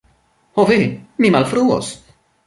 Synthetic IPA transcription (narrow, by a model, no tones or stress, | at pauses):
hovemimalfɾuːo̰s